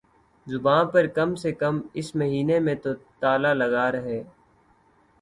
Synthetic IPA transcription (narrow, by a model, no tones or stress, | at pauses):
zʊbãːpəɾkɐmsekəmɪsməɦiːnemẽt̪ot̪aːlaləɡaːɾəɦeː